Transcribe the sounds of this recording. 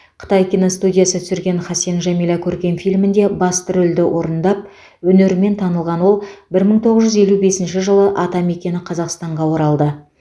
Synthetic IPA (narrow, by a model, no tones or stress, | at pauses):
qʰə̥t̪ɑjkʲinost̪udʲijasət̪ʰʏ̥sɪɾɡʲe̞nχɑsenʒɑmilˠɑkʲʰɵɾkʲe̞nfijlʲmɪnd̪e̞bɑst̪əɾʏld̪ɪwʔo̞ɾənd̪ɑp̚ | wɵne̞ɾɪme̞nt̪ʰɑnəlˠʁɑnwo̞lˠbɪɾməɴt̪ʰo̞ʁəzʒʏze̞lube̞sɪnʃɪʒəlˠəʔɑt̪ɑme̞kʲe̞nɪqʰɑzɑqst̪ɑɴʁɑwo̞ɾɑlˠd̪ə